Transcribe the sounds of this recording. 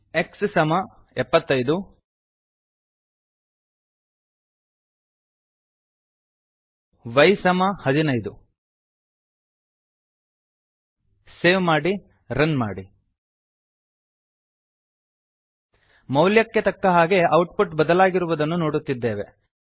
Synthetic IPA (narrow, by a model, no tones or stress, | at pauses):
e̞kssɐmɐɛpːɐt̪ːɐjd̪u | ʋɐjsɐmɐhɐd̪inɐjd̪u | seːʋmaːɽi | ɾɐnma̰ːɽi | mɐwljɐkːe̞t̪ɐkːɐɦaːɡe̞ʔɐwʈpuʈbɐd̪ɐlaːɡiɾuʋud̪ɐnːuno̞ːɽut̪ːid̪ːeːʋe̞